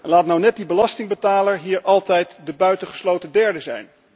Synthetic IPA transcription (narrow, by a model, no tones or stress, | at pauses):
ɛnlaːtnawnɛt̚dibəlɑstɪŋbətaːləɹɦiːɹɑlˠtɛjtdəbœɥtəχə̥slowtədɛɹdəzɛ̰jn